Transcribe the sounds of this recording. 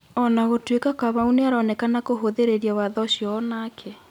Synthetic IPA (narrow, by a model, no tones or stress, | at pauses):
ɔnaɣotwekakaβauneaɾɔnɛkanakoɦoðeɾeɾjawaðɔɕjɔːnaːkʰɛ